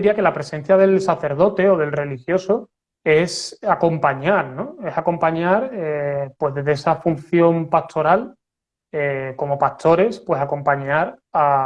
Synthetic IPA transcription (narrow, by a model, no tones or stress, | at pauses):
ɾiake̞lapɾe̞se̞n̟θjaðe̞lsaθe̞ɾð̞o̞t̪e̞oð̞e̞lre̞lixjo̞so | e̞sako̞mpaɲaɾnõe̞sako̞mpaɲaɾepwe̞zðezðeesafun̟θjo̞mpast̪ʰo̞ɾal | eko̞mo̞pat̪ʰo̞ɾe̞spwe̞sako̞mpaɲaɾa